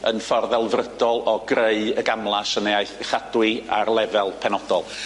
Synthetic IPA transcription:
ənfɔrðɛlˠvrədɔlˠɔɡreɨəɡamlˠasəneajθχad̥wɪa̰rlˠɛvɛlˠpʰɛnɔdɔlˠ

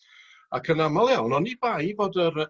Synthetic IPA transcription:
akʰənamalˠjawnɔnibajvoːdəɾ

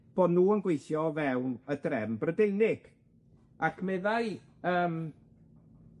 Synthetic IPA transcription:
b̥ɔdnuːənɡwejθjɔvɛwnədrɛmbrədejnɪɡ̥ | akʰmɛðaj | əːm

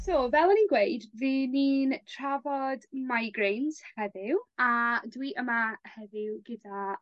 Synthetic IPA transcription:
sovɛlˠəninɡwejdvɨːniːntʰravɔdmajɡrejnshɛðɪwadwiʔəmahɛðɪwɡəda

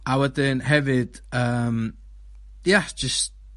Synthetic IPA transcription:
awɛdɪnhɛvɨd̥əːm | jad̥d͡ʒʌst̚

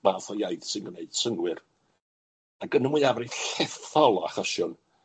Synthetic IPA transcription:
maθɔjajθsɪnɡmneɨd̥səŋwɪr | aɡənəmwɨavriðɬɛθɔlˠɔaχɔʃʊn

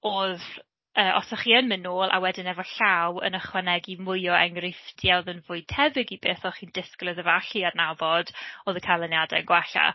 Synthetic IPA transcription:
oð | əːʔɔ̰sɔχiːənmɪnoːlˠʔa̰wɛdɪnɛvɔɬawə̰nəχwanɛɡimʊjɔɛŋrɪftjaðənvʊɨtʰɛvɪɡibeːθɔχiːndɪsklˠɨðəvaɬiarnavɔd̥oðəkʰalˠənjadɛ̰ənɡwaɬa̰

